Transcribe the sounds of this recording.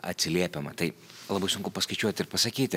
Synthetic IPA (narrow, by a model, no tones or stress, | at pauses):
ɐ̰t̪ʲsʲɪlʲiɛpʲɛmɐt̪ɐɪlˠɐbɐɪsʊŋkʊpɐskɐɪt͡ʃʲuɔt̪ʲɪɾpɐsɐkʲiːt̪ʲ